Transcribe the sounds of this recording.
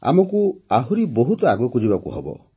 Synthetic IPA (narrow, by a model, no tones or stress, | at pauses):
a̰mɔkuaɦuɾiboɦut̪ɔaɡɔkud͡ʒibakṵɦɔ̰bɔ̰